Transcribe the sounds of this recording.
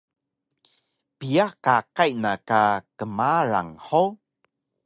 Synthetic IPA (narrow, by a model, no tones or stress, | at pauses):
piakakajnakakəmaɾa̰ŋhow